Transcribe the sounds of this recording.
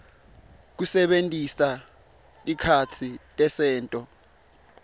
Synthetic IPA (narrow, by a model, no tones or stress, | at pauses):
k̬usɛɓentʼisa | ikʰat͡sʰitʼɛsɛːntʼɔ